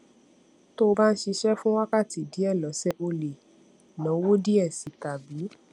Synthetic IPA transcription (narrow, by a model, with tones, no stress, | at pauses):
to˦˧ba˦n̩˦ʃi˧ʃɛ˦fũ˦wa˦ka˦˨ti˨di˨˦ɛ˦˨lɔ˨˦sɛ˦o˧le˨ | nã˨˦wo˦di˦ɛ˦˨si˨ta˨bi˨˦